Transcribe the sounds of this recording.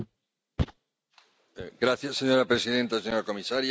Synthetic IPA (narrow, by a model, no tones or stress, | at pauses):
ɡɾaθjasːe̞ɲo̞ɾapɾe̞siðe̞nt̪aseɲo̞ɾako̞misaɾj